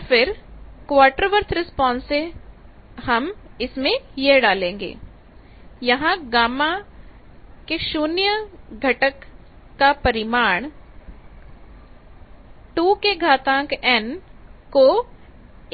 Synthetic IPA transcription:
fɪɾkʋaːɾʈəɾʋəɾt̪ʰɾɪspɔ̃ːnse | hɐmɪsmẽjeɦɖaːlẽːŋɡḛː | jɐɦãɡaːma | keʃuːnjəɡʱɐʈəkː | apɐɾɪmaːɳ̃ | ʈuːkeɡʱaːt̪ãːkɛnko

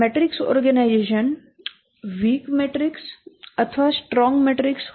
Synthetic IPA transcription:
meʈɾɪksɔ̰ːɾɡənaɪd͡ʒeːʃən | ʋiːkmeːʈɾɪksɐt̪ʰʋasʈɾɔ̃ːŋɡmeʈɾɪks

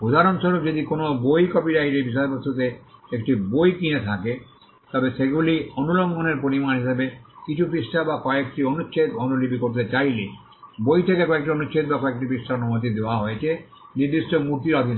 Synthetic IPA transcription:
pod̪ʱaɾonʃoɾukd͡ʑod̪ikonobojkɔpiɾaiɾebiʃ̬aepot̪ʰut̪̬eek̚ʈibojkinet̪ʰake | t̪ɔbesʰeɡulionuloŋɡʱoneɾpoɾimanɦiʃebekit͡ɕʰupisʈʰabakɔek̚ʈionust͡ɕʰet̪onulibʱikoɾt̪̬et͡ɕajle | bojt̪ʰekekɔek̚ʈionust͡ɕʰet̪̚bakɔek̚ʈipisʈaonumot̪̬id̪eoaɦoet͡ɕʰe | niɾd̪isʈomuɾt̪iɾɔd̪ʱin

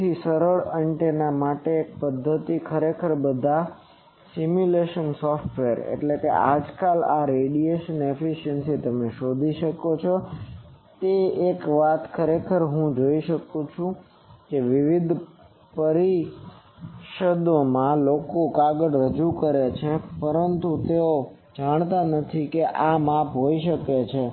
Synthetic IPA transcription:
t̪ʰisəɾəɭəɳʈenamaʈeːk̚pəd̪ʱːət̪ikʰəɾekʰəɾbəd̪ʱa | simjuleʃənsɔfʈʋeəɾḛʈlekḛʔa̰d͡ʒkalaɾeɖieʃənefiʃənsit̪əmeʃod̪ʱiʃəkot͡ʃʰɔ | t̪eekʋat̪kʰəɾekʰəɾɦũd͡ʒoiʃəkũt͡ʃʰũ | keʋiʋid̪ʱ | pəɾi | ʃəd̪omãlokokaɡəɽɾəd͡ʒukəɾet͡ʃʰepəɾənt̪ut̪eo | d͡ʒaɳ̃t̪anət̪ʰikeʔamapɦoiʃəket͡ʃʰe

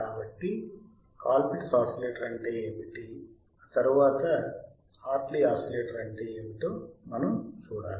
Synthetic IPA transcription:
kaːbɐʈːi | kaːlpiʈsaːsɐleːʈɐɾɐɳʈeːeːʋiʈi | aːt̪ɐɾuʋaːt̪ɐ | aːɾʈliaːsɐleːʈɐɾɐɳʈeːeːmit̪oːmɐnɐmt͡ʃuːɽa̰ːn

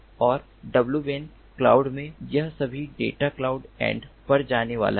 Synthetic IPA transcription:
ɔːɾ | ɖɐbljubeːn | kla̰ːʊɖmẽjɐɦsɐbʱiɖḛːʈaklaːʊɖɛ̰̃ːɳɖpɐɾd͡ʒaːneʋa̰ːlʔa

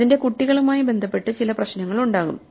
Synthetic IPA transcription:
inde̞kuʈːiɣɐɭumaːjibend̪ʱɐpːe̞ʈːɨt͡ɕilɐprɐɕnɐŋːɐɭuɳɖaːɣum

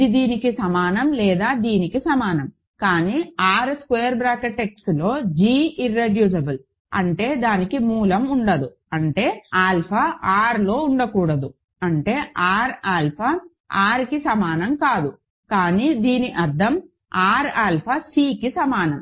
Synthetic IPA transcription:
id̪iːnikisɐmaːnɐmlɛːd̪aːd̪iːnikisɐmaːnɐm | kaːniːaːɾskʋeːɐɾbɾaːkɐʈːekslo̞ːd͡ʒiːiɾːeɖjuːs̬ɐbul | ɐ̰ɳʈe̞ːd̪aːnikimuːlɐmuɳɖɐd̪u | ɐɳʈe̞ːaːlpʰaʔaːɾlo̞ːuɳɖɐkuːɽɐd̪u | ɐɳʈe̞ːʔaːɾaːlpʰa | aːɾkisɐmaːnɐmkaːd̪u | kaːniːd̪iːniʔɐɾd̪ʱɐm | aːɾaːlpʰasiːkisɐmaːnɐm

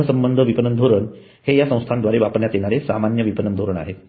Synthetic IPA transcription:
əsəmbənd̪ʱəʋipənənd̪ʱoɾəɳ | hejasə̃w̃st̪ʰand̪ʋaɾeʋapəɾɳjat̪jeɽaɾesamanjəʋipənənd̪ʱoɾəɳa̰ɦe

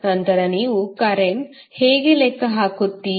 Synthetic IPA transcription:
nɐnt̪ɐɾɐniːʋukaɾeŋ | heːɡeleːkːɐɦaːkut̪ːi

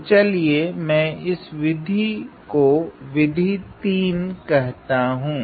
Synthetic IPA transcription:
t͡ʃɐliemɛ̃ːɪsʋɪd̪ʱikoʋɪd̪ʱit̪iːnkɛɦt̪aɦũː

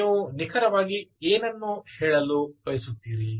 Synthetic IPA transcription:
ʋunikʰɐɾɐʋaːɡieːnɐnːuhɛːɭɐlubɐjsut̪ːiːɾi

